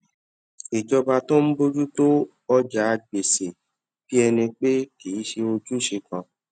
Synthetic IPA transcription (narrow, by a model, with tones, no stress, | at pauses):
e˨d͡ʒɔ˧ba˧to˦m̩˦bo˦d͡ʒu˦to˦ | ɔ˦d͡ʒa˨˦˧ɡ͡be˨se˨ | fi˦ɛ˧nĩ˧k͡pe˦ki˨i˦ʃe˧o˧d͡ʒu˦˨ʃe˧kɔ̃˧